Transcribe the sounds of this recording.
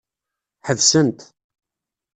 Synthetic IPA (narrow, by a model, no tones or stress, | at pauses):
ħəðsənt̪